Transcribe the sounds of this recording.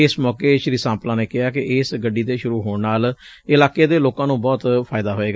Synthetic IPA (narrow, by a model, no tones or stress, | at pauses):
ɪsmɔːkeːʃəɾiːsãːmplãːneːkɪaːkɪʔɪsɡəɖiːd̪eːʃʊɾuːɦoːɳnaːl | ɪlaːkeːd̪eːloːkãːnũːbɔːt̪pʰaːɪd̪aːɦoːeːɡaː